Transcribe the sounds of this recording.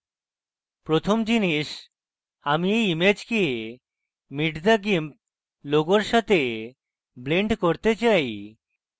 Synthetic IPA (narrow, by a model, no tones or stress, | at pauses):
pɾot̪ʰomd͡ʑiniʃ | amiejimed͡ʑkie | miʈd̪aɡimp̚ | loɡoɾʃat̪e | bleɳɖkoɾt̪et͡ɕaj